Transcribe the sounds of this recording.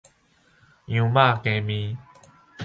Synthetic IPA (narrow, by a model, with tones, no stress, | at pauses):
jũ˨˦ma˥˧˨kẽ˧mĩ˧˦